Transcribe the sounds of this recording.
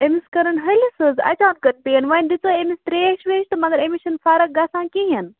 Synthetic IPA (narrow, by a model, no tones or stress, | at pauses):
emiskɐɾɐnɦɐlʲisɨzɐ̰t͡ʃãːt̪̚kɐʈ̪̚pejɐnʋɐnd̪it͡soemist̪ɾeːʃʋeːʃt̪ɨmɐɡɐɾemiʃɐnfaːɾɐk̚ɡɐsãːkijɐn